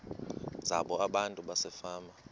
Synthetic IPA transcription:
zaɓɔaɓantʼuɓasɛfaːma

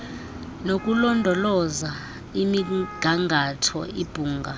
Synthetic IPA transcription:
nok̬ʼulɔndʱɔlɔza | imiɡ̥ʱaŋʱatʰɔ̰ʔib̥ʱuːŋɡʱa

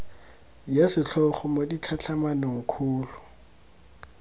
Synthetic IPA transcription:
jasɪɬʰɔχɔmodit͡ɬʰat͡ɬʰamanoŋ̩kʰuːlʊ

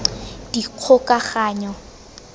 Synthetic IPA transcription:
d̥iq͡χʰʊkʼaχaːɲɔ

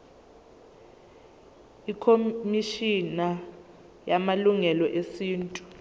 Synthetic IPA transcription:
ikʰomiʃina | jamaluŋɛlɔʔesiːntʼu̥

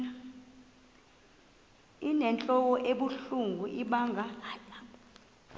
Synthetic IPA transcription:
inɛnt͡ɬʼɔwɔʔeɓuɬuŋɡʱuʔiɓaːŋʱa

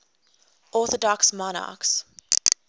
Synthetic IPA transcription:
ɔˑθɔdɔksmɔnɑ̰ˑks

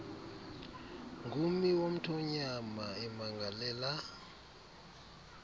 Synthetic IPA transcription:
ŋɡʱumiwom̩tʰɔɲamaɛmaŋɡʱalɛːla

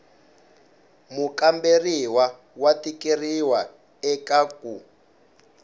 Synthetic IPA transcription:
mukamberiwa | watikeriwa | ɛkaku

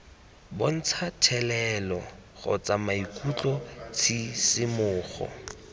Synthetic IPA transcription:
bon̩t͡sʰatʰɛlɛlɔ | ɣʊ̰t͡sʼamaikʼut͡ɬʼɔt͡sʰisɪmʊːχɔ̰

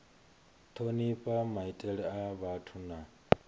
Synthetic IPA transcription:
t̪ʰoniɸʼamaitʼɛɺɛaβatʰuna

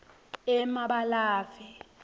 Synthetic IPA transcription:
ɛmaɓalaːfɛ

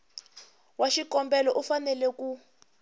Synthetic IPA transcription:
waʃikɔmbɛlɔʔufanɛlɛku

